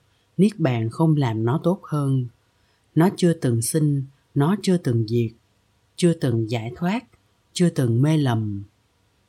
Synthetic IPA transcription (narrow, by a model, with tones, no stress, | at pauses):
ni˦˥ək̚ɓa̰ː˧˨nxə˧wŋ͡mlaː˨˩mnɔ˨˦t̪o˦˥t̚həː˧n | nɔ˨˦t͡ɕɨ˧ət̪ɨ˨˩ŋsi˧ŋ̟ | nɔ˨˦t͡ɕɨ˧ət̪ɨ˨˩ŋzi˨˩ək̚ | t͡ɕɨ˧ət̪ɨ˨˩ŋzaː˧˩jt̪ʰwaː˦˥t̚ | t͡ɕɨ˧ət̪ɨ˨˩ŋme˧lə˨˩m